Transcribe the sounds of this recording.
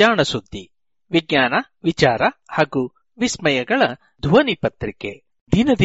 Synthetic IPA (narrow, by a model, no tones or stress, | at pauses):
aːɳɐsud̪ːi | ʋiɡɲaːnɐ | ʋit͡ʃaːɾɐhaːɡu | ʋismɐjɐɡɐɭɐ | d̪ʱuɐnipɐt̪ɾikḛ | d̪inɐd̪i